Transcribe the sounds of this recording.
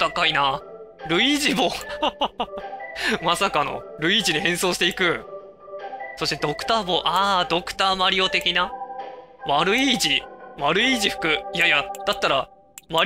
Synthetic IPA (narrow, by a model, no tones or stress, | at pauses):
t̪akaina | ɾɯ̟iʑibo | masakano̞̰ɾɯ̟iːd͡ʑiɲ̟ihẽ̞ɰ̃so̞ːɕi̥t̪e̞ikɯ̟ | so̞ɕt̪e̞d̪o̞kɯ̟̥t̪aːbo̞ʔaːd̪o̞kɯ̟̥t̪aːmaɾʲio̞t̪e̞kʲina | βaɾɯ̟id͡ʑiβaɾɯ̟iːʑiɸɯ̟̥kɯ̟ijajad̪̥at̪ːaɾa | βa